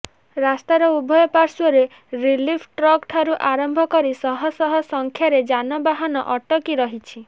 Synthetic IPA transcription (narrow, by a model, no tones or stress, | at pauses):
ɾast̪aɾɔubʱɔjɔpaɾsuɔɾe | ɾilipʰʈɾɔkʈʰaɾuʔaɾɔmbʱɔkɔɾisɔɦɔsɔɦɔsɔŋkʰjaɾed͡ʒanɔbaɦanɔ̰ʔɔʈɔkiɾɔɦit͡ʃʰi